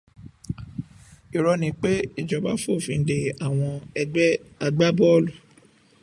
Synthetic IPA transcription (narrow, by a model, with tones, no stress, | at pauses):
i˨ɾɔ˧nĩ˨˦k͡pe˦i˦˨d͡ʒɔ˨˦ba˦fo˦˨fĩ˧n̩˨de˨a˨w̃ɔ̃˧ɛ˧ɛ˦a˧ɡ͡ba˦bɔ˦lu˦˨